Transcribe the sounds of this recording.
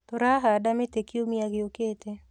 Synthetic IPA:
t̪ɔɾaɦadamet̪ekɪomiaɡɪoket̪e

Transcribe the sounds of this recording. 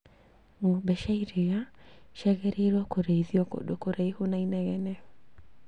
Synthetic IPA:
ŋobɛʃaiɾejaʃɛɣɛɾʔeɾɔkoɾeiðiɔko̰dokoɾaihonainɛɣɛnɛ

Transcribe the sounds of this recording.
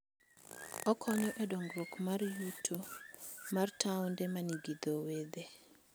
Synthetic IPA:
ɔkʰɔɲɔʔɛdɔŋɡɾokmarjutʰo | martʰawndemaniɡid̪owed̪e

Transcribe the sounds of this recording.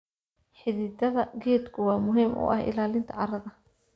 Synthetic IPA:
ħɪðɪːd̪ɐðɐɡɛːd̪kʰʊwɑːmʊɦiːmʔʊ̰ʔɐ̰hɪ̰laːlɪnt̪ʰɐʕɑɾɐðɐ

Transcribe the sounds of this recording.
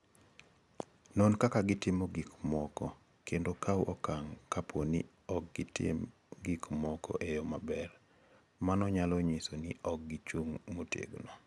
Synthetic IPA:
nɔnkakaɡɪtɪmoɡikmɔkɔ | kʰendokʰawʔɔkaŋkapʰonɪ̰ | ɔk̚ɡɪtɪ̰m | ɡikmɔkɔ̰ʔejɔmabɛr | manɔɲalɔɲisonɪɔk̚ɡit͡ʃuŋmotjḛɡnɔ

